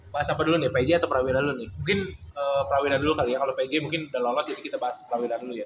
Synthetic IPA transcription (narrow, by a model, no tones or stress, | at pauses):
baɦasapadulʊnɪpad͡ʒɛat̪awpəɾawilandulʊnɪhmuŋkɪnəːpəɾawiɾadulukalijakalopad͡ʒɛmuŋkɪnudalolɔsd͡ʒadikit̪abaɦaspəɾawilanduluja